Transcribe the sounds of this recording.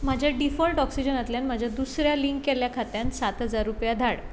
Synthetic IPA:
mad͡ʑʱjaɖifɔlʈɔksid͡ʑənət̪ljãnməd͡ʑʱad̪usɾjaliŋkːɛljakʰat̪jãnsat̪ɦəd͡zaɾːupjad̪ʱaɽ

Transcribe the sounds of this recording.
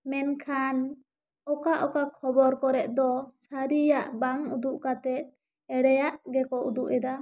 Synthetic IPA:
mɛnkʰan | ɔkaʔɔkakʰɔbɔɾkɔɾɛʔ̪̚d̪ɔsaɾijaʔbaŋud̪uʔkat̪ɛt̪̚ | ɛɽɛjaʔɡɛkɔʔud̪uʔɛd̪a

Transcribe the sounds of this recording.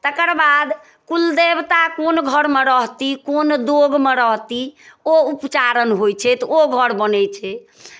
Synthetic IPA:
t̪əkəɾbad̪ | kuld̪ebt̪akonɡʱəɾmeɾəɦt̪ikond̪oɡmeɾəɦt̪ioupt͡ʃaɾənɦojt͡ʃʰɛt̪oɡʱəɾbənɛt͡ʃʰɛ

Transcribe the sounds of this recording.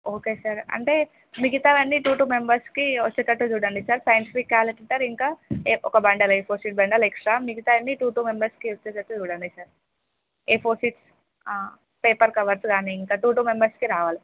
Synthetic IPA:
oːkeːsɐɾɐ̰ɳʈeː | mikit̪aʋɐnːiʈuːʈuːmembɐɾskiʋɐt͡ʃːet͡ʃɐʈːud͡ʒuːɽɐɳɖisɐɾsɐjnʈifikːaːlɐʈiʈɐɾiŋkaːeɔkɐbɐɳɖɐleːpʰoːsiːʈ̚bɐɳɖɐleksʈɾaːmikit̪aːɐnːiʈuːʈuːmembɐɾskiʋot͡ʃːet͡ʃɐʈːud͡ʒuːɽaːɳɖisɐɾ | eːpʰoːsiːʈs | peːpɐɾkɐʋɐɾskaːniiŋkaːʈuːʈuːmembɐɾskiɾaːʋaːli

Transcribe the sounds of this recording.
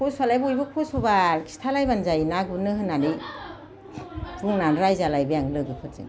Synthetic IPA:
pʰoswalajbujbɯkʰosɔbakʰi̥stʰalajbanzajnaɡɯnɯɦɯnani | tuŋnanɾajzalajbɯjaŋlɯɡɯpʰɯɾzḭŋ

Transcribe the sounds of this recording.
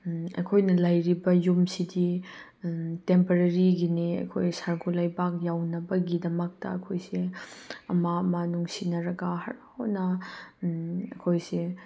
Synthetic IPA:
ɐ̰jkʰojnɐlɐjɾibɐjumsidi | tempɐɾɐɾiɡiniɐ̰jkʰojsaɾɡʰulajbak̚jawnɐbɐɡidɐmɐk̚tɐ̰ɐ̰kʰojsiɐmaɐmɐnuŋsinɐɾɐɡaɦɐ̰ɾhonɐ | ɐkʰojsi

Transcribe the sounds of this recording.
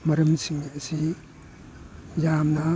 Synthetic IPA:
mɐɾɐmsiŋiɐsi | jamnɐ

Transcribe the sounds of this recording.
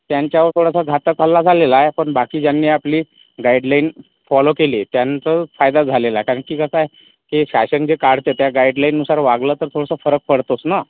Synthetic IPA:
t̪jaɲt͡ɕjaʋəɾt̪ʰoɽasəɡʱat̪əkəlːad͡zʱalelaepəɳbakiːd͡ʑjanːiːapliː | ɡajɖlain | fɔlokelit̪jant͡səfajd̪ad͡zʱalelakaɾəɳkiːkəsae | keɕaɕənd͡ʑekaɽ̤t̪et̪jaɡaiɖlainːusaɾʋaɡləːt̪əɾt̪ʰoɽasəfəɾək̚fəɽt̪osna

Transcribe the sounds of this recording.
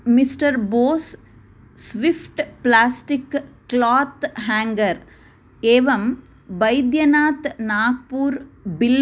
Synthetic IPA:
misʈɐɾboːs | sʋipʰʈplaːsʈikːlaːt̪ɦaːŋɡɐɾ | eːʋɐm | bɐjd̪jɐnaːt̪naːk̚puːɾbil

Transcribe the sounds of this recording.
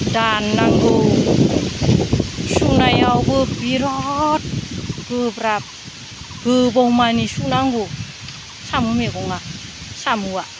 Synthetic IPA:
danːaŋɡə | sunajawbəpbiɾɔt̚b̥əpɾap̚ | ɡɯbowmanisunaŋɡo | samumekoŋa | samuwa

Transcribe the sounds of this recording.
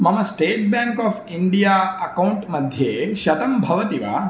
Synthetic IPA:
mɐmɐsʈeːʈ̚baːŋkaːpʰiɳɖijaːɐkɐwɳʈmɐd̪ʱjeːʃɐt̪ɐmbʱɐʋɐt̪iʋa̰ː

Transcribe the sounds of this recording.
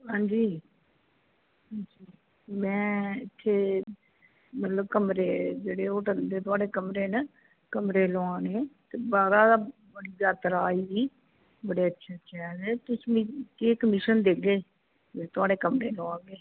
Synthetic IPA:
ɦãːd͡ʒiː | ɦãnd͡ʒiː | mɛ̃ːɪt̪ʰːeː | mət̪ləbkəmɾeːd͡ʒeːɽeːʊʈənd̪eːt̪ʊaːɖeːkəmɾeːnə | kəmɾeːloãːneːt̪eːbaːɾaːd̪aː | bəɽiːzaːt̪əɾaːiːbiː | bəɽeːətːʃʰaːtːʃʰaːnɛːt̪ʊsmĩkeːkəmɪʃənd̪eːɡeː | ɪt̪ʊaːɖeːkəmɾeːloãːɡeː

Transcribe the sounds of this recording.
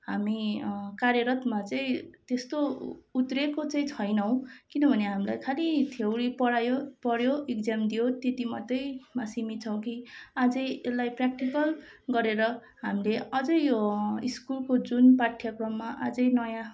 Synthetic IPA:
ɦamikaɾjʌɾʌt̪mat͡saĩt̪est̪out̪rekot͡saĩt͡sʰʌjnʌw̃kinʌbʱʌneɦamilajkʰalit̪ʰewɽipʌɽajopʌɽjoekd͡zamd̪ijot̪et̪imʌt̪ːʌjmasimit͡sʰʌ̃w̃kiad͡zʌjelajprak̚ʈikʌlɡʌɾeɾʌ | ɦamileʌd͡zʌjjoiskulkod͡zunpaʈʰjʌkrʌmːaʔa̰d͡zʌjnʌjã

